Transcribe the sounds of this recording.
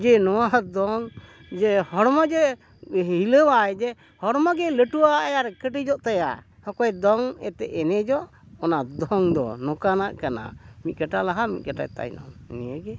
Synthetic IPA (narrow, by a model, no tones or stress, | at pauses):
d͡ʒɛnɔwad̪ɔŋ | d͡ʒɛhɔɽmad͡ʒɛ | hiləwajd͡ʒɛ | hɔɽmaɡɛləʈuwaʔjaɾkəʈid͡ʒɔʔt̪aja̰ | hɔkɔjd̪ɔŋɛ̰t̪ɛʔɛnɛd͡ʒɔʔ | ɔnad̪ɔŋd̪ɔ̰nɔkanaʔkana̰mit̪̚ˀɡaʈalaɦamḭt̪̚ɡaʈa̰jt̪a̰jnɔ̰mnijəɡɛ